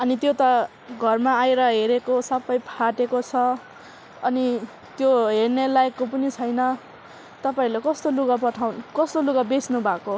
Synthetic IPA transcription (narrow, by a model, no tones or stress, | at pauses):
ʌnit̪jot̪ʌ | ɡʱʌrmaajɾʌɦeɾekosʌpʌjpʰaʈekot͡sʰʌ | ʌni | t̪joɦernelaekːopʌnit͡sʰʌjnʌ | t̪ʌpaĩlekʌst̪oluɡapʌʈʰawnkʌst̪oluɡabesnubʱako